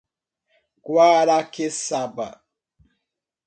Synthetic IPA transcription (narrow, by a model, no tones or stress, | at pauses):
kwaːɾakesaba̰